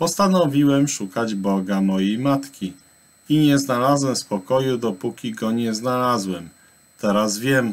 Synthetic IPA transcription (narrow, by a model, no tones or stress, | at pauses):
pɔst̪anɔvʲiwɛmʂukad͡ʑbɔɡamɔjejmat̪kʲi | iɲɛznalazwɛspɔkɔjud̪ɔpukʲiɡɔɲɛznalazwɛm | t̪ɛɾazvʲjɛm